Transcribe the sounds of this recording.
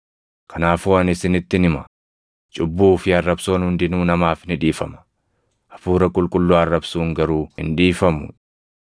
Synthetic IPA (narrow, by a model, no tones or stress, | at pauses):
kʰɐnaːfuɐnɪsɪnɪt̪ːɪnɪmɐ̥ | t͡ʃʼʊbːuːfɪɐrːɐbsoːnhʊnd̪ɪnuːnɐmaːfnɪᶑiːfɐmɐ̥ | ʔɐfuːɾɐkʼʊlkʼʊlːoɐrːɐbsuːŋɡɐɾuːhɪ̰nᶑiːfɐmʊ̰